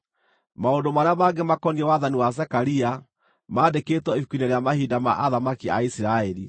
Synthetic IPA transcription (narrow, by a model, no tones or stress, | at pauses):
maondomaɾeamaɡemakɔniɛwaðaniwas̬ɛkaɾia | maːdeketwɔiukwineɾejamahidama̰ʔaðamakia̰isiɾaɛɾi